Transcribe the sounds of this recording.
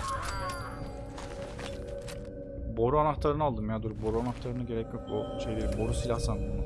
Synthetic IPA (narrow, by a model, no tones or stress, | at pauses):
bo̞ɾuanaxt̪ʰaɾɯnɯalˠd̪ɯmjad̪uɾubo̞ɾuanaxt̪ʰaɾɯnɯɟe̞ɾɛcjo̞k̚buʃejbibo̞ɾusilʲaxsand̪ɯm